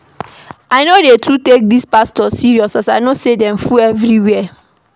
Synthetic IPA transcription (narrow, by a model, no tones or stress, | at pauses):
aɪnodetʰutek̚dispastɔsiɹiɔsasaɪnosedɛ̃mfuɛvɹiwɛ